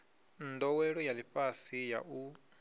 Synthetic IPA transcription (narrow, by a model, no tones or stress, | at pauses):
nd̪ɔwɛɺɔjaliɸʼasija̰ʔu